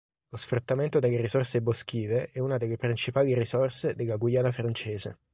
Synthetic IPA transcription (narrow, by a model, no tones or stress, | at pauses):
losfɾut̪ːament̪od̪elːeɾisɔrsebosk̟iːveʔɛunad̪elːepɾint͡ʃipaːliɾisɔrsed̪elːaɡwijaːnafɾant͡ʃeːzḛ